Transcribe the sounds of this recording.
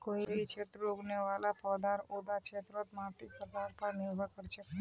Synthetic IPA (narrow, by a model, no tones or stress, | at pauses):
koiit͡ʃʰet̪ɾoɡneʋalapəd̪aɾod̪at͡ʃʰet̪ɾɔt̪mãt̪ipəd̪aɾpəɾnɪɾɡʱəkəɾt͡ʃʰe